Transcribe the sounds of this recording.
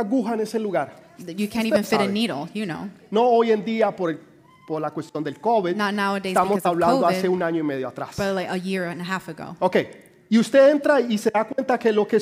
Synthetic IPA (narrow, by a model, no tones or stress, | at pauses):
aɣuxaene̞se̞luɣaɾjɨkʰæ̃ntivɨ̃nfɪɾɨniɾl̩ˠjɨnoʊno̞oje̞nd̪iapoɾe | poɾlakwe̞st̪jo̞nd̪elko̞βiðnətnaʊədet̪amosaβlãnoaseunaɲoime̞ð̞joat̪ɾa̰sb̥laɪkəjɪɹɨ̃nəɦæfɨɡo̰ʊokej | iust̪e̞e̞nt̪ɾaise̞ðakwe̞nt̪ake̞lo̞ke